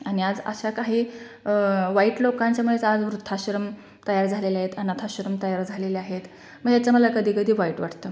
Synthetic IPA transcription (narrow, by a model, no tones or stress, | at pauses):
añiad͡zə̰ɕakaɦiː | ʋaiːʈlokãɲt͡ɕjamuɭet͡sad͡zʋɾut̪ʰːaɕɾəm | t̪əjaɾd͡zʱaleleaɦet̪anat̪ʰaɕɾəmt̪əjaɾd͡zʱaleleaɦet̪ | məɡjat͡saməlakəd̪ʱiːkəd̪ʱiːʋaiːʈʋaʈt̪ə